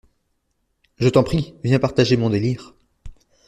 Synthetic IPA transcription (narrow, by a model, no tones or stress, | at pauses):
ʒət̪ɑ̃pχivjɛ̃paʁt̪aʒemɔ̃d̪eliːʁ